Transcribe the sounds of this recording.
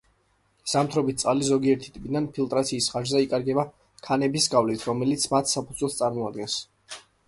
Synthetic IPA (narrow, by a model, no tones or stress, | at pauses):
z̥amt̪ʰɾɔbit̪̚t̪sʼalizɔɡiɛɾt̪ʰi̥t̪ʼipʼid̪anpʰilˠt̪ʼɾat̪sʰiːsχaʒzɛikʼaɾɡɛba | kʰanɛbisɡavlit̪ʰɾɔmɛlit̪sʰmat̪ʰsapʰud̪zwɛlˠst̪sʼaɾmɔad̪̚ɡɛns